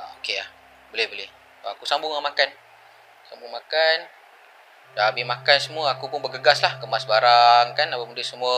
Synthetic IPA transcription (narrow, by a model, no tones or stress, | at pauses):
aokeah | bolɛhbolɪh | akusambʊŋamakan | sambʊŋmakan | daabɪmakansəmuəakupʊnbəɡəɡaslahkəmasbaɾaŋkanapamudəsəmuə